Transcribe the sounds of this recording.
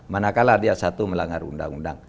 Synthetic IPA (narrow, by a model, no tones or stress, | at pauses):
manakaladiasat̪uməlaŋarṵnda̰ŋunda̰ŋ